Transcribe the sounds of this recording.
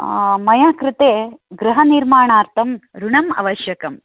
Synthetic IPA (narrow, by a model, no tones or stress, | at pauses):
mɐjaːkɾɪt̪eːɡɾɨɦɐniɾmaːɳaːɾt̪ʰɐmɾuɳɐmɐ̰ʋɐʃjɐkɐm